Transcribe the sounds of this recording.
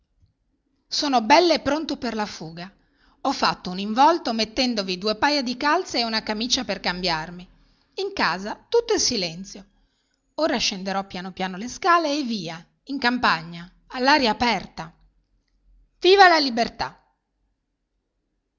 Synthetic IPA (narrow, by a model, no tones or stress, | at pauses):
soːnobɛlːoepːɾont̪operlafuːɡa | ɔfːat̪ːouniɱvɔlt̪omet̪ːɛnd̪ovid̪uepajad̪ikalt̪seːunakamit͡ʃaperkambjarmi | iŋkaːzat̪ut̪ːoɛesilɛnt̪sjo | oːɾaʃend̪eɾɔpːjanopjaːnoleskaːleːvːiːa | iŋkampaɲːaː | lːaːɾjaːpɛrt̪a | viːvalalibert̪a